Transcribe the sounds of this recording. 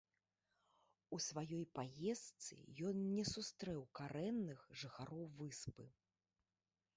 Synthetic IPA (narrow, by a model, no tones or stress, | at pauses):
usvajɔjpajɛst̪sɨ̰jɔnnʲɛsust̪ɾɛwkaɾɛnːɨxʐɨxaɾɔwvɨspɨ̰